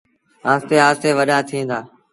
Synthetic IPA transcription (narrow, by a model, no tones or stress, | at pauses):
aːst̪eːɦaːst̪eːʋəɗaːt̪ʰĩːnd̪aː